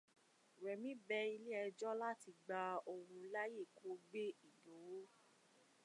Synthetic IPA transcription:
ɾɛ˨mĩ˨˦bɛ˧˦i˧le˦ɛ˧d͡ʒɔ˦la˦ti˧ɡ͡ba˧o˧wũ˧la˦je˦˨kʰo˧˦ɡ͡be˦i˨do˨˦

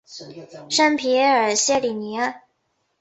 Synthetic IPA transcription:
ʂə˥npʰi˧˥ə˞˨˩ɕjɛ˥˩li˨˩ni˧˥

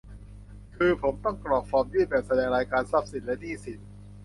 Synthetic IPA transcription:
kʰɯː˧pʰo˩˦mt̪ɔ˥˩ŋklɔː˨˩k̚fɔː˧mjuː˥˩bɛː˨˩p̚sa˧dɛː˧ŋɾaː˧jkaː˧nsa˦˥p̚si˨˩lɛ˦˥diː˥˩si˨˩t̪̚

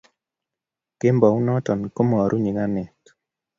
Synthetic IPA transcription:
ke˦mbɔ˨u˦nɔ˦tɔ˨nko˦mɔ˨ɾu˦ɲi˨ɡa˦nɪ˨t

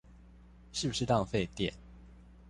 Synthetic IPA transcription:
ʂɻ̩˥˩bu˩ʂɻ̩˥˧t̪ɑ˥˧ŋfe˥˧ɪt̪jɛ̰˨n

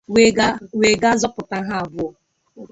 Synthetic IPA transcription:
we˨ɡa˦zɔ˦pʊ˨ta˦ɦa˦a˨bʊ˦ɔ˨

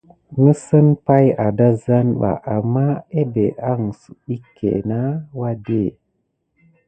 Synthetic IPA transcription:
ŋə˦sə˦npa˦ja˨da˦za˦nɓa̰˨ʔa˨mːa˦e˦be˨ʔa˦ŋ˨su˨ɗi˦kʰːḛ˨na˦wa˦de˦˨

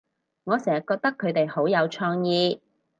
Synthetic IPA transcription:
ŋɔː˨˧sɛː˨˩jkɔː˧k̚t̪ɐ˥kʰːɵ˨˧ɥt̪e˨jho˨˥wjɐ˨˧wt͡ʃʰɔː˧ŋjiː˧

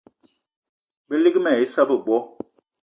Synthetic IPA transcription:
bə˦li˦kmɛ˨i˦sa˦bə˨bwɔ˦

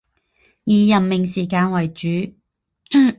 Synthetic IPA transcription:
jiː˨˧jɐ˨mːɪ˨ŋsiː˨k̬aː˧nwɐ˨˩jt͡ʃyː˨˥

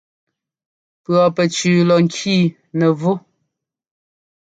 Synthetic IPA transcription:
pɰɔ˨pɛ˨t͡ʃʉː˨lɔ˨ŋ˦kʰiː˦˨ | nə˨vu˦

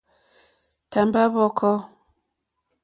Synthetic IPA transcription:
ta˨mba˦βɔ˨kʰɔ˦

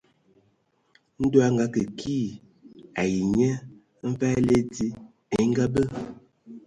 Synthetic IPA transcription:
n̩˦do˦a˦ŋ˨ɡa˨˦kə˨kʰiː˦˨ | a˨ji˨ɲɛ˦ | m̩˦fa˦le˦ti˦ | e˨˦ŋ̩˦ɡa˦bə˦

